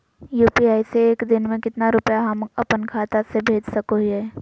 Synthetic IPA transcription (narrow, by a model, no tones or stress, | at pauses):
juːpiaːiseːkd̪ɪnmẽkɪt̪naɾʊpjaɦɐmɐpənkʰaːt̪asebʱeːd͡ʒsɐkoɦiɛː